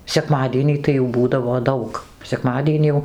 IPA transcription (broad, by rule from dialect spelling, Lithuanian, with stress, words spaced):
sʲɛˈkmɑːdʲiɛnʲiː tɐɪ jɛʊ ˈbuːdɐʋoː ˈdɐʊk sʲɛˈkmɑːdʲiɛnʲiː jɛʊ